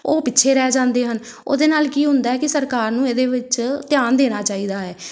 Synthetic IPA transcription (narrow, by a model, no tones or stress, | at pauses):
oːpɪtːʃʰeːɾɛːd͡ʒãːnd̪eːɦən | o̰ːd̪eːnaːlkiːɦʊnd̪aːɦɛːkɪsəɾkaːɾnũːeːd̪eːʋɪt͡ʃt̪ɪjaːnd̪eːɽ̃aːt͡ʃaːiːd̪aːɦɛː